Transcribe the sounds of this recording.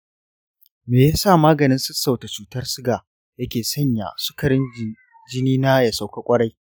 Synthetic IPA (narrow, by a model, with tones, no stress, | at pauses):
meː˨ja˦saː˦˨maː˦ɡɐ˨nɪ˦nsʊ˦sa˨wta˨t͡ʃuː˨tɐ˦rsʊ˦ɡaː˨ | jɐ˦kʲeː˨sɐ˦˨ɲja̰˨sʊ̥˦kɐ˨ɽɪ˦n˨ | d͡ʒɪ˦niː˦na˦ja˨sa˨wka˦kʷʼɐ˦ɽa˦j